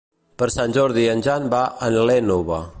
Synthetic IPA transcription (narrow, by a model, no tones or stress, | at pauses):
pəɾsanʲd͡ʒɔɾðiənʲd͡ʒanbaʔənlɛnoβa